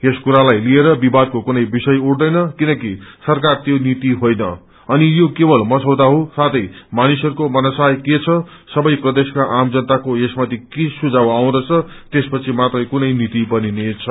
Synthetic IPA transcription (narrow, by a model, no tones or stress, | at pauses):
eskuɾalajlieɾʌbibad̪̚kokunʌjbisʌjuɽd̪ʌjnʌkinʌkisʌrkart̪jonit̪iɦojnʌ̰ | ʌnijokebʌlmʌsʌwd̪aɦosat̪ʌjmanisɦʌɾukomʌnasajket͡sʰʌsʌbʌjprʌd̪eskaʔamd͡zʌnt̪akoesmat̪ʰikisud͡zawaw̃d̪ʌt͡sʰʌt̪espʌt͡sʰimat̪rʌjkunʌjnit̪ibʌninet͡sʰʌ